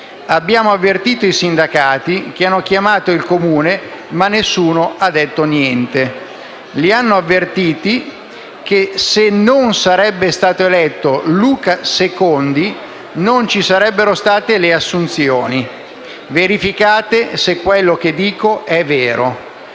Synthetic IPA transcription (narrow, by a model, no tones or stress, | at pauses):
abːjaːmoavːert̪iːt̪oisind̪akaːt̪ik̟eanːok̟jamaːt̪oilkomuːnemanːesːuːnoʔad̪ːɛt̪ːonjɛnt̪e | lianːoavːert̪iːt̪i | k̟esenonsaɾɛbːest̪aːt̪oelɛt̪ːoluːkasekond̪i | nont͡ʃisaɾɛbːeɾost̪aːt̪eleasːunt̪sjoːni | veɾifikaːt̪esekːwelːok̟ed̪ːiːkoʔɛvːeːɾo